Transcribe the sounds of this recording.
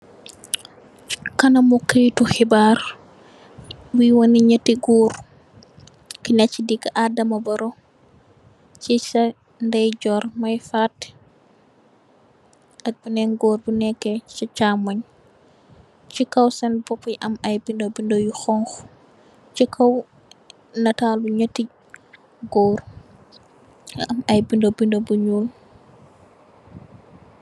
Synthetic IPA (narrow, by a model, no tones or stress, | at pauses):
kɐnɐmukɐjtuxibaɾ | bujwɔniɲɐtːiɡuːɾ | kinɐcidikːaʔadɐmɐbɐɾɔ | t͡ʃisɐ | ndɛjɟɔɾmɐjfat | ɐk̚bunɛŋɡoːrbunɛkːɛt͡ʃit͡ʃaːmɐɲ | t͡ʃikɐwsɐnbɔpːiʔɐmɐjbindobindojuxɔŋx | t͡ʃikʰɐw | nɐtaːluɲɐtːiɟ | ɡɔːɾ | ɐmɐjbindobindobuɲoːl